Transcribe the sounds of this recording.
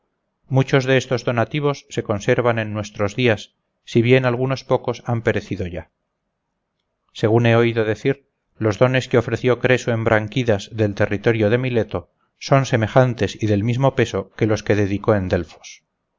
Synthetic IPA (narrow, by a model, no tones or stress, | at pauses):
mut͡ʃo̞zðe̞est̪o̞zðo̞nat̪iβ̞o̞sːe̞ko̞nse̞ɾβ̞ane̞nːwe̞st̪ɾo̞zðiasː | iβje̞nalɣuno̞spo̞ko̞sampe̞ɾe̞θiðo̞ʝa | se̞ɣ̞une̞o̞iðoðe̞θiɾ | lo̞zðo̞ne̞skeo̞fɾe̞θjo̞kɾe̞soembɾʔaŋkiðazðe̞lt̪e̞rit̪o̞ɾjoðe̞mile̞t̪o̞ | so̞nseme̞χant̪e̞siðe̞lmizmo̞pe̞so̞ke̞lo̞ske̞ðe̞ðiko̞e̞nd̪e̞lfo̥s